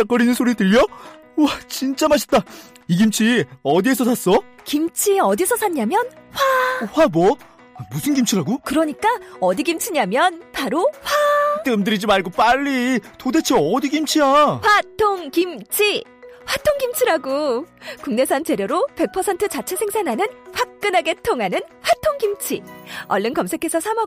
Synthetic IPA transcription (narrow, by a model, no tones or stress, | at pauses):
t͡ɕak͈ʌɾinɯnsʰoɾitɯʎːʌ | t͡ɕint͡ɕ͈amaɕ̬ʰi̥t͈a | iɡimt͡ɕʰiʌdiesʰʌtas͈ʌ | kimt͡ɕʰiʌdisʰʌsʰaɲːamjʌnɸwaɸwabʌ | musʰɯnɡimt͡ɕʰiɾaɡokɯɾʌɲik͈aʌdiɡimt͡ɕʰiɲamjʌnpaɾoɸwat͈ɯmdɯɾid͡ʑimaɭɡop͈aʎːitode̞t͡ɕʰeʌdiɡimt͡ɕʰiaɸwatʰoŋkimt͡ɕʰi | ɸwatʰoŋɡimt͡ɕʰiɾaɡokuŋne̞sʰant͡ɕe̞ɾjʌɾope̞k̚pʰʌsʰe̞ntʰɯt͡ɕat͡ɕʰesʰe̞ŋsʰenɦanɯnɸwak̚k͈ɯnɦaɡe̞tʰoŋanɯnɸwatʰoŋkimt͡ɕʰḭʌɭːɯnkʌmsʰe̞kʰe̞sʰʌsʰamʌ